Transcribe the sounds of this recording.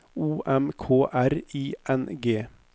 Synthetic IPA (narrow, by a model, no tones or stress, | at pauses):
uːʔɛmkʰoːʔæɾiːʔɛnɡeː